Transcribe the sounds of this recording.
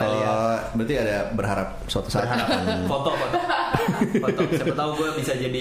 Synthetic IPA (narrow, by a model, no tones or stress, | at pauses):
ʔəbəɾt̪iadabərɦaɾap̚swat̪o̥saɦafɔt̪ɔpa | tat̪auɡuabisad͡ʒadi